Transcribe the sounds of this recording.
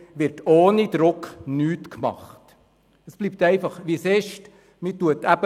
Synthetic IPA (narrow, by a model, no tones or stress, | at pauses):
ʋɪɾtoːnid̪ɾʊknyːtkmɑ̰χt | əsb̥lip̚tɛɪfɑχʋisɛʃt | mituətæbə